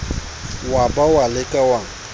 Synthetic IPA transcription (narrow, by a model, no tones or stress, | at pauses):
wabawalɪkʼawaŋ̩